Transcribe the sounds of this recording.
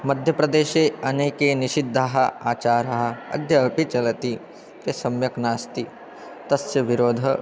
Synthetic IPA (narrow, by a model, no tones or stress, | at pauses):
mɐd̪ʱjɐpɾɐd̪eːʃeːɐneːkeniʃid̪ʱːaɦɐaːt͡ʃaːɾɐɦɐ̆ɐ̰d̪ʱjɐɐpit͡ʃɐlɐt̪i | k̪esɐmjɐknaːst̪i | t̪ɐsjɐʋiɾoːd̪ʱɐ